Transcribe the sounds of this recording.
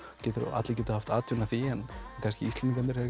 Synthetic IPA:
cɛːt̪ʏɾ̰ʔa̰t̪lɪcɛːt̪ahaft̪aːt̪ʰʏnaθiɛnkʰan̥scɪ̰ist̪ɛniŋk̪ɛnɪɾɛɾ

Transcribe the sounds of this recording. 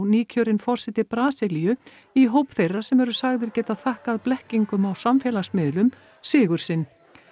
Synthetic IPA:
wniːcʰœɾɪnfɔr̥sɛt̪ɪpɾaːsɪliʏ | iɦowpθejrːḁsɛmɛɾʏsaɣðɪɾcɛːt̪aθahkaðplɛhciŋkʏmawsamfjɛlasmɪðlʏm | sɪːɣʏɾ̥sɪnː

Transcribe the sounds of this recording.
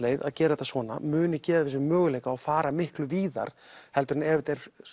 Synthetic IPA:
lejða̰ðcɛːɾaɛt̪ːasvɔːna̰mʏːnɪcɛːvaðɛs̬ʏmœːɣʏlejkaːwfaːɾamɪhklʏviːða̰ɾ̥hɛlt̪ʏɾnɛːvɪt̪ɛɾ̥

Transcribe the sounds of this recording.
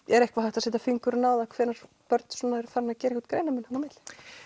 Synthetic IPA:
ɛɾɛhkvaɦajht̪asɛːt̪afiŋkʏɾnaːwðakʰvɛːɾaɾ̥ | pœɾt̪n̥sɔːnaɛɾθaɾnacɛɾekfat̪kɾejnamɛnhanamɪt̪l̥ɪ̥

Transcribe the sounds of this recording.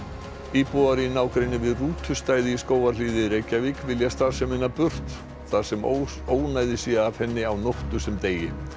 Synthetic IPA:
iːpɔaɾɪinaːwkɾejnːɪvɪðruːt̪ʰʏst̪aːjðɪiskoːwvaɾliːðɪɾeːjcavikvɪljast̪aɾ̥sɛmɪnːapʏr̥t̪ | θað̥sɛmo̰ | oːwnaːjðɪsiːaav̥hɛnːɪawnoht̪ʏsɛmt̪eːjɪ

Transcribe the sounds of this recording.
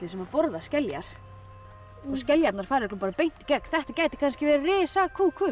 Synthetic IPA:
ɪsɛmvaɾpɔɾðascɛlja̰ɾ̥ | ɔscɛljat̪naɾ̥faːɾɛklʏpaɾapejn̥t̪i̥kɛkθɛht̪acaːjt̪ɪ̥kʰanscɪvɛɾarɪːsakʰuːkʰvʏ

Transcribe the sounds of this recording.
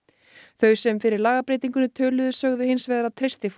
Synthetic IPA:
θœɥsɛmfɪɾɪɾlaːɣapɾejt̪̬iŋkʏnʏt̪ʰœːlʏðʏsœɣðʏhɪnsvɛːðaɾat̪ʰɾejst̪ɪf

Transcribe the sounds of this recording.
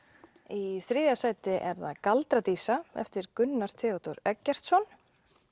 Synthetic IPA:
iθɾɪːðjasaːjt̪ɪʔɛɾða̰ðkalt̪ɾat̪iːsaɛ̰ft̪ɪɾkʏnːaɾ̥t̪ʰɛːɔt̪ɔɾœcːɛr̥t̪sɔn

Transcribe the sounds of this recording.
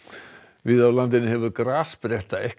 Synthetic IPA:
vɪðawlant̪̬ɪnːɪhɛvʏðkɾaːspɾjɛht̪aɛh

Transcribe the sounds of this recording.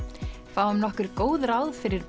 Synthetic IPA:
faːwʏmnɔhkʏɾkoːwðɾawðfɪɾɪɾp

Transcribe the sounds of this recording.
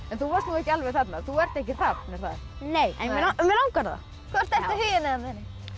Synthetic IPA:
ɛnθuvast̪nuːɛhcːɪalvɛθat̪naθuɛɾ̥t̪ɛhc̬ɪr̥avnɛɾ̥θað | nejɛ̰ɛamɛlawŋkaɾða̰ | kʰvɔɾ̥t̪ɛɾt̪ɪhʏjɪnɛamðɛnɪ

